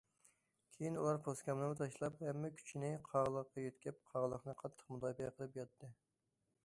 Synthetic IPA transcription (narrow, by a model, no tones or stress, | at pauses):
kʲʰejinulˠɑɾpʰoskʲɑmnɨnɨt̪ʰɑʃlˠɑphɛmːɛkʲʰy̥t͡ʃʰinɪqʰɑʁəlˠəqːɑjøt̪kʲɛp̚qʰɑʁəlˠəχnɨqʰɑt̪ʰːə̥qmud̪ɑːbiɛqʰəlˠɨpjɑt̪ʰːɨ